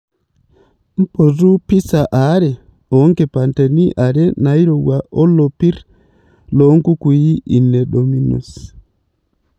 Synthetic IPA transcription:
m̩˦po˨zu˦pi˦sa˨ʔa˨˦ɾɛ˨ | ɔ˨˦ŋkɛ˨pa˨ntɛ˨ni˦ʔa˨ɾɛ˦na˨i˦ɾo˨wa˨ʔɔ˦lo˨pi˦ɾ | lo˨˦ŋku˦ku˨ji˦i˨nɛ˨ɗo˨mi˦nṵ˨s

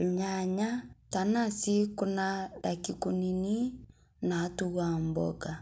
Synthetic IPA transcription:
lɲaɲa˦ta˨na˦˨si˦ku˦na˦da˨ki˨ku˦ni˦ni˦ | na˨˦tu˦ɣa˦m˨bɔ̰˨ɡa˨

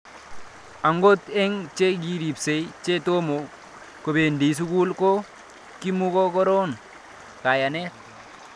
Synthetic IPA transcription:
a˨ŋɡo˦tɛ˦ŋt͡ʃe˦ɡi˦ɾi˨pse˨it͡ʃe˦to˦mo˨ | ko˨be˨ndi˨s̬u˦ku˦lko˦ | ki˦mu˦ko˦kɔ˦ɾo˦n | ka˨ja˨nɛ˦t̚

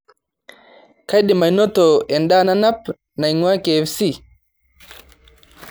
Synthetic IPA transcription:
ka˦jɗi˨ma˨i˨nɔ˦tɔ˨ɛ˨nda˦na˦na˦p̚ | na˨iŋwa˦ke˨ɛ˨fsi˦˨

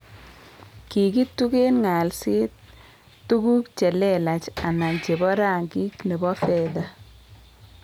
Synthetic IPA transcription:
ki˨ki˦tːu˦ke˦nŋa˨lsi˦t̪̚ː | u˦ku˦kt͡ʃɛ˨lɛ˦la˨t͡ʃa˨na˨nt͡ʃe˨bɔ˦ɾa˦ŋɡi˦kne˨bɔ˦fɛ˨da˦

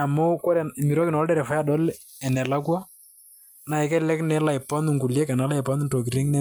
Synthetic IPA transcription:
a˨mo˦ko˦ɾɛ˨mi˨ɾɔ˦kɪ˨nɔ˨ldɛ˦ɾɛ˨fa˨˦a˦ɗɔ˦l | ɛ˨nɛ˨la˦kwa˦ | na˨ɛ˨kɛ˦lɛ˦knɛ˨˦la˨ɪ˨pɔ˦n˨ŋɡu˨ljɛ˦kɛ˨na˨˦la˦ɪ˨pɔ˦n˦nto˨k̬i˨ɾi˦ŋnɛ˦

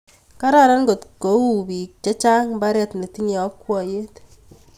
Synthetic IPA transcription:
ka˦ɾa˦ɾa˦nɡo˨tko˨˦u˦˨bi˨k̚t͡ʃa˦t͡ʃa˦ŋmba˦ɾɛ˦tne˨ti˦ɲe˨ɔ˦kwɔ˨je˦t

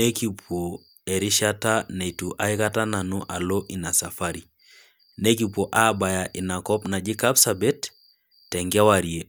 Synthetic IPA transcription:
ne˦ki˨pʰo˨ | e˨ɾi˦ʃa˦ta˦ne˨tu˨ʔa˦i˦ka˦ta˦na˨nu˦ʔa˨lo˦ʔi˨na˨sa˨fa˦ɾi˨ | ne˦k̬i˦po˨ʔa˦ba˨ja˨ʔi˨na˨kɔ˦pna˨d͡ʒi˦ka˦psa˨be˦tː | ɛ˨ŋɡa˦wa˨ɾie˨

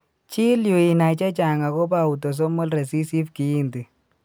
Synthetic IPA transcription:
t͡ʃi˦lju˨i˨na˨t͡ʃa˦t͡ʃa˨ŋa˨ko˦pa˦˨u˨to˨s̬o˦mɔ˦lrɛ˨si˦si˦fki˨i˦ndi˨

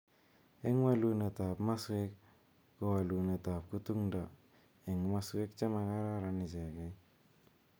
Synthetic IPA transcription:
e˦ŋwa˦lu˦ne˨ta˨pma˦swɪ˦kː | o˦wa˨lu˨ne˨ta˨p̚ku˦tu˦ŋdɔ˨ | e˨ŋma˦swe˦k̚t͡ʃa˦ma˨ka˦ɾa˦ɾa˧nɪ˨sɛ˨kɛ˦

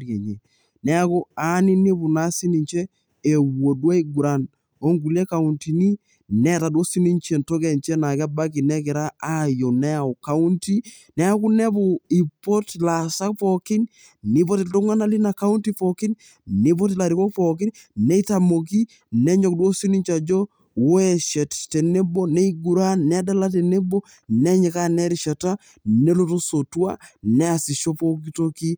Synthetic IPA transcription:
ɾje˨ɲe˨ | nɛ˦a˦ko˦a˦ni˦ni˦bu˨na˦si˦ni˨ɲt͡ʃɛ˦ | e˨wo˨dwa˦i˦ɡu˨ɾa˨n | o˦ŋɡu˨lɛ˦ka˨˦u˨nti˨ni˦ | nɛ˨ta˨dwo˦si˦ni˦nt͡ʃɛ˨nto˦kɛ˨ɲt͡ʃɛ˦na˨kɛ˦ba˦ki˨nɛ˦kɪ˨ɾa˦a˦jo˨nɛ˦a˨ɔ˨ka˦u˦nti˦ | nɛ˦a˦ku˦nɛ˦bu˨i˨pɔ˦tla˨sa˦k̚pɔ˨kɪ˦n | nɪ˨p̬ɔ˦tɪ˨lto˦ŋa˦na˦li˦na˨ka˦u˦ntipɔki˦n | ni˦p̬ɔ˦t̬ila˨ɾikɔ˦k̚pɔk̬i˦n | nɛ˦i˦ta˨mo˨k̬i˦ | nɛ˦ɲɔ˨k̚dwo˦si˦ni˦ɲt͡ʃa˨d͡ʒɔ˦ | wo˦ɛ˨ʃɛ˨tte˨ne˦bɔ˦ne˦iɡu˨ɾa˦nɛ˦da˦la˦t̬e˨ne˦bo˦ | nɛ˦ɲɛ˨ka˦nɛ˦ɾi˨ʃa˨ta˦ | nɛ˦lo˦to˦so˨twa̰˦nɛ˦a˨si˨ʃo˦po˦k̬i˦to˦ki˦

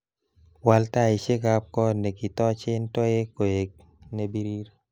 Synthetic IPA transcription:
wa˨lta˦ɪ˨t͡ʃe˦ka˦p̚kɔ˦ne˨ki˨tɔ˦t͡ʃɪ˦ntɔ˦e˦ko˨e˨k̚ | ne˨˦bi˦ɾi˦ɾ

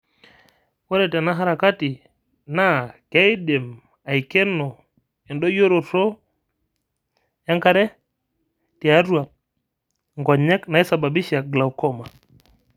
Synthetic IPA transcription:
wɔ˦ɾɛ˨tɛ˨na˦ɦa˦ɾa˨ka˦ti˨ | na˦kɛ˦i˦de˨m | a˨i˨kɛ˦nɔ˨ | ɛ˨ndɔ˦jo˦ɾo˨to˦ | a˦ŋka˦ɾɛ˦ | ti˨a˦ɾwa˨ | ŋɡɔ˨ɲɛ˦kna˨i˦sa˨ba˨bi˦ʃa˨ɡla˨wkɔ˦ma˨

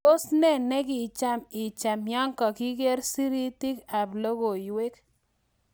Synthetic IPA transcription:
o˦snɛ˦nɛ˦ɡɪ˨t͡ʃa˦mɪ˨t͡ʃa˨mjɔ˦ŋkɔ˨ki˦ɡe˦ɾsi˦ɾi˦ti˦ka˨blo˦ɡo˨jwe˦k

